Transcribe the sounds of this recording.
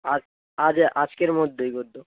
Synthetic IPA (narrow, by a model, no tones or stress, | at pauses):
a | ad͡ʑʔad͡ʑkeɾmod̪ʱːejɡod̪ʱːo